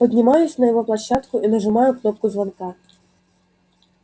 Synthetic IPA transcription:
pɐdʲnʲɪmajʊsʲnɐjɔɣɔplˠɐɕːat̪kʊʔinɐʐɨmɑjʊknɔp̚kʊzvanka

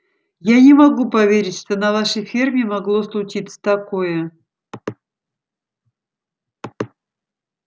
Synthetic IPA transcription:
janʲɪmɐɡupɐvʲeɾʲɪtʲʂt̪o̞nɐvaʂəjfʲirmʲɪmɐɡlˠoslˠʊt͡ɕit̪sə̥t̪ɐkojə

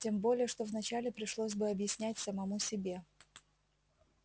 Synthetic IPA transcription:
tʲe̞mbo̞lʲɪjəʂt̪ovnɐt͡ɕælʲɪpɾʲɪʂlˠos̬ʲbɨɐbjɪsʲnʲætʲsəmɐmusʲɪbʲe̞

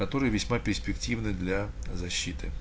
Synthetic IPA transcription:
kɐt̪o̞ɾɨjəvʲɪsʲmapʲɪrsʲpʲɪktʲivnɨd̪lʲazɐɕːit̪ɨ

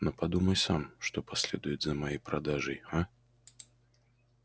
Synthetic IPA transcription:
nopɐd̪uməjsamʂt̪opɐsʲlʲed̪ʊjɪt̪zəmajejpɾad̪aʐɨjha

